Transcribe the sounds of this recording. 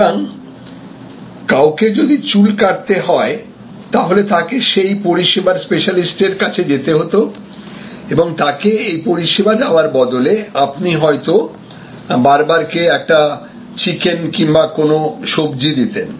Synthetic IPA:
aŋ | kawked͡ʑod̪it͡ɕulkaɾt̪eɦɔe | t̪aɦolet̪ʰakeʃejpoɾiʃebaɾspeʃalisʈeɾkat͡ɕʰed͡ʑet̪eɦot̪o | eboŋt̪akeejpoɾiʃebad̪aoaɾbɔd̪oleapniɦɔet̪o | baɾbaɾkeɛk̚ʈa | t͡ɕikenkimbakonoʃobd͡ʑid̪it̪en

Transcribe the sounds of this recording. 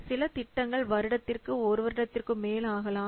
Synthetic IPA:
sɪlɐt̪ɪʈːɐŋɡɐɭʋɐɾɯɽɐt̪ːɪrkɯɔɾɯʋɐɾɯɽɐt̪ːɪrkɯmeːlaːɣɐlaː

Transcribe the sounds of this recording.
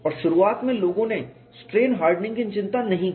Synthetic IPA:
ɔːɾʃʊɾuaːt̪mẽloːɡõne | sʈɾeːnɦaːɾɖnɪ̃ŋɡɪnt͡ʃɪ̃nt̪anɐɦĩk

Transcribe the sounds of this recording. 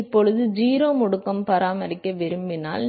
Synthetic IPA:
ɪpːɔɻɯðɯd͡ʒiːɾoːmʊɽɯkkːɐmpɐɾaːmɐɾɪkːɐʋɪɾɯmbɪna̰ːl

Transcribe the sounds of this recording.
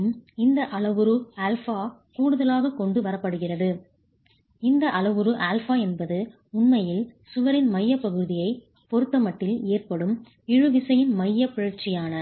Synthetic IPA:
mɪnd̪ɐʔɐɭɐʋɯɾɯɐːlfaːkuːɽɯðɐlaːɣɐkɔɳɖɯʋɐɾɐpːɐɽɯɣɪrɐðɯ | ɪnd̪ɐʔɐɭɐʋɯɾɯʔaːlfaːɛnbɐðɯ | ʊnmɐjɪlsʊʋɐɾɪnmɐjːɐpːɐɣɯðɪjɐɪ | pɔɾɯt̪ːɐmɐʈːɪleːrpɐɽɯm | ɪɻɯʋɪsɐjɪnmɐjːɐpɪɻɐɾt͡ʃɪjaːnɐ

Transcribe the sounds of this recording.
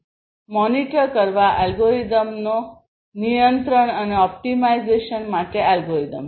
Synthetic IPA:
mɔniʈəɾkəɾʋaʔalɡoɾid̪əmno | nijənt̪ɾəɳəneɔp̚ʈimaid͡zeʃənmaʈealɡoɾid̪əm

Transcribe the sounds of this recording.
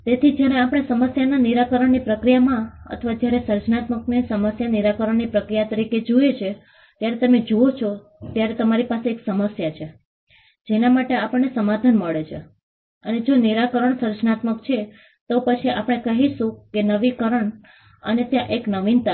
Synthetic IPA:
t̪et̪ʰid͡ʒjaɾeapɽ̃esəməsjananiɾakəɾəɳnipɾəkɾijamãə̰t̪ʰəʋad͡ʒjaɾesəɾd͡ʒnat̪məknesəməsjaniɾakəɾəɳnipɾəkɾijat̪əɾiked͡ʒoet͡ʃʰe | t̪jaɾet̪əmed͡ʒoot͡ʃʰo | t̪jaɾet̪əmaɾipaseːksəməsjat͡ʃʰe | d͡ʒenamaʈeapəɳːesəmad̪ʱanməɭet͡ʃʰe | əned͡ʒoniɾakəɾəɳsəɾd͡ʒnat̪məkt͡ʃʰe | t̪opət͡ʃʰiapɽ̃ekəɦiʃũkenəʋikəɾəɳ | ə̰net̪jãʔeknəʋint̪a

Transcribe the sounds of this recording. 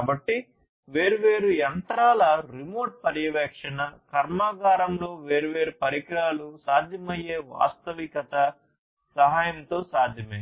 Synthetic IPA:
kaːbɐʈːi | ʋe̞ːɾuʋe̞ːɾujɐnt̪ɾaːlɐɾimoːɾʈ̚pɐɾjɐʋɛːkʂɐnɐkɐɾmaːɡaːɾɐmlo̞ːʋeːɾuʋe̞ːɾupɐɾikɾaːlusaːd̪ʱjɐmɐje̞ːʋa̰ːst̪ɐʋikɐt̪ɐ | sɐɦaːjɐnt̪o̞ːsaːd̪ʱjɐmɐ

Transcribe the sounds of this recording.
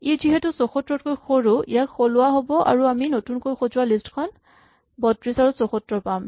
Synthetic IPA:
iziɦɛtusɔxɔtɹɔt̚kojxʰoɹuḭjakxolʊwaɦobɔʔa̰ɹuaminotunkojxozʊalistkʰɔn | bɔtɹisaɹusɔxɔtɹɔpam

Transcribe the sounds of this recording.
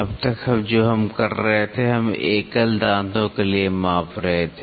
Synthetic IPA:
ɐbt̪ɐkɐbd͡ʒoːɦɐmkɐɾːɐɦet̪ʰeɦɐmeːkəld̪ãːnd̪õkeliemaːfɾɐɦet̪ʰeː

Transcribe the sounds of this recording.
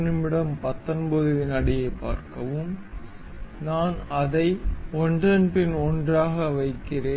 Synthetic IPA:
nɪmɪɽɐmpɐt̪ːɐnbɐðɯʋɪnɐɽɪjɐɪpːa̰ːɾkɐʋɯm | naːnɐðɐɪɔndrɐnpɪnɔndraːɣɐʋɐɪkːɪreː

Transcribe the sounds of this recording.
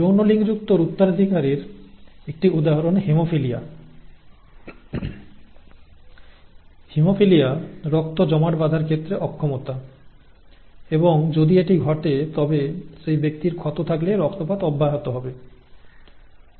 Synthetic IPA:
ownoliŋd͡ʑuk̚t̪oɾut̪ːaɾad̪ʱikaɾiɾek̚ʈiud̪aɦɔɾonɦimofilia | himofilijaɾɔk̚t̪od͡ʑɔmaʈbad̪ʱaɾkʰet̪ːɾeʔɔkʰːomot̪a | eboŋd͡ʑod̪ieʈiɡʱɔʈet̪ɔbeʃejbek̚t̪iɾkʰɔt̪ot̪ʰakleɾɔkt̪opat̪ɔbːaɦat̪oɦɔbe

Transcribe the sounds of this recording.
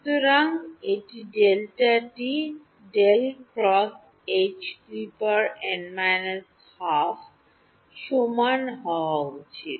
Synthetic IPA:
t̪uɾaŋeʈiɖelʈaʈi | ɖelkɾɔs | et͡ʃtɾipəɾɛ̃ɳɖmajnəs | haf | ʃumanɦɔaut͡ɕʰi

